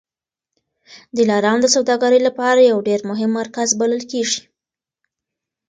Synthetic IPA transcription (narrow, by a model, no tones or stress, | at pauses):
d̪əlɑɾɑnod̪əsawd̪ɑɡaɾəjlapɑɾajawɖeɾmʊɦɪmːaɾkazbaləlkeʐi̥